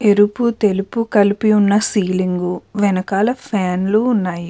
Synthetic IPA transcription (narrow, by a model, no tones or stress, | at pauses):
e̞ɾuput̪elupukɐlipiunːɐsiːliŋɡuʋɛnɐkaːlɐpʰaːnluːnːaːji